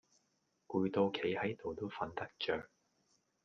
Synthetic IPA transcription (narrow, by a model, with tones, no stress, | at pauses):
kuː˧jt̪o˧wkʰe˨˥jhɐ˨˥jt̪o˨wt̪o˥wfɐ˧nt̪ɐ˥k̚t͡ʃœː˨k̚